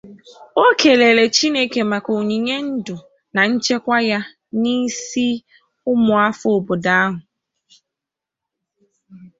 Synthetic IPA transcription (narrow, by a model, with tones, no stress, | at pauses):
o˦ke˨le˨ɾe˨t͡ʃi˦ne˦ke˨ma˨ko˨ɲi˨ɲe˦n̩˦dʊ˨ | na˨n̩˦t͡ʃe˦kʷa˦ja˦ | ni˦si˦ | ʊ˦mʊ˨a˦fʊ˦˨bʊ˨da˦ɦʊ˨